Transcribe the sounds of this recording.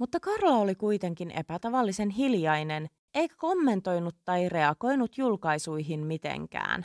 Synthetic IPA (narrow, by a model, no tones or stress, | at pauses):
mut̪ːɑkɑrlɑolikujt̪e̞ŋkinʔe̞̰pæt̪ɑʋɑlːise̞nɦiljɑjne̞n | e̞jkæko̞mːe̞nt̪o̞jnut̪ːɑjre̞ɑɡo̞jnut̪julkɑjsujɦimmit̪ḛŋkæ̰ːn